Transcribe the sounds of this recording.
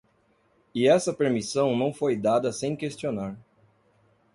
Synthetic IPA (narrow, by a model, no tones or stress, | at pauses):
ɪɛsɐpeɾmisɐ̃w̃nɐ̃w̃fojd̪ad̪ɐsẽj̃kest͡ʃionaɾ